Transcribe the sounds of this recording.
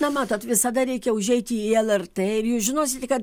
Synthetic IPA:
nɐmɑːt̪oːt̪ʋʲɪsɐd̪ɐɾʲɛɪkʲɛʊʒʲɛɪt̪ʲiɛlˠɛrt̪eːɪɾjuːsʒʲɪnoːsʲɪt̪ʲkɐt̪

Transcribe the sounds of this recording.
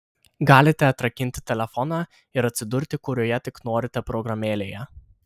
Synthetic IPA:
ɡɑːlʲɪt̪ʲɛɐt̪ɾɐkʲɪnʲt̪ʲɪ̥t̪ʲɛlʲɛfɔnɑː | ɪɾɐt̪ʲsʲɪd̪ʊɾʲt̪ʲɪkʊɾʲoɔːjɛt̪ʲɪknoːɾʲɪt̪ʲɛpɾɔɡɾɐmʲeːlʲeːjɛ

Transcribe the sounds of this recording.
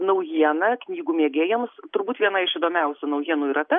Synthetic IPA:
nɐʊjiɛnɐknʲiːɡuːmʲeːɡʲeːjɛmst̪ʊɾbuːt̪ʋʲiɛnɐɪʃɪd̪oːmʲɛʊsʲʊnɐʊjiɛnuːiɾɐt̪ɛ

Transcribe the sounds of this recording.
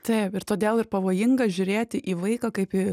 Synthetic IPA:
t̪ɐɪpɪɾt̪oːd̪ʲeːlˠɪrpɐʋoːjɪŋɡɐʒʲʊɾʲeːt̪ʲɪʔiːʋɐɪkɐkɐɪpi

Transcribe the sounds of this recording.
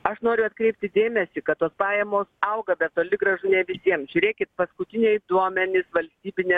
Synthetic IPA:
ɐʃnoːɾʲʊɐt̪kɾʲɛɪp̚ʲt̪ʲɪd̪ʲeːmʲɛsʲɪkɐt̪t̪oːspɑːjɛmoːsɐʊɡɐbʲɛt̪t̪oːlʲɪɡɾɐʒʊnʲɛʋʲɪsʲiɛmʒʲʊɾʲeːkʲɪt̪̚pɐskʊt̪ʲɪnʲɛːjd̪uɔmʲɛnʲɪsʋɐlʲsʲt̪ʲiːbʲɪnʲeː

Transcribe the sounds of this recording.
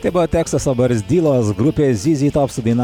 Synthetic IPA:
t̪ɐɪbʊʋɐːt̪ʲæːkst̪ɐsɐbɐɾʲsʲd̪ʲiːlˠoːsɡɾʊpʲeːzʲiːzʲiːt̪oːpsʊd̪ʲɐɪnɐ

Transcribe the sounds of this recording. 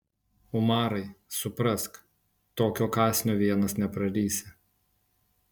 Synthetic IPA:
ʊmɑːɾɐɪsʊpɾɐsk | t̪oːkʲoːkɑːsʲnʲoːʋʲiɛnɐsnʲɛpɾɐɾʲiːsʲɪ

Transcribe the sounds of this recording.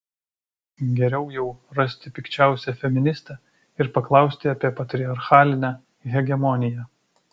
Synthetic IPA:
ɡʲɛɾʲɛʊjɛʊɾɐsʲt̪ʲɪpʲɪkt͡ʃʲæˑʊsʲɛfʲɛmʲɪnʲɪst̪ɑ | ɪɾpɐklˠɐˑʊsʲt̪ʲɪɐpʲiɛpɐt̪ʲɾʲɪɐɾxɑːlʲɪnʲæː | ɣʲɛɡʲɛmɔnʲɪjɛ

